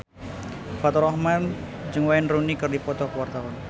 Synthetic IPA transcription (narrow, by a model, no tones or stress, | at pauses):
fat̪ɔɾɔhmand͡ʒɨŋwaɛnrunikərdipɔt̪ɔhkəwart̪awɔn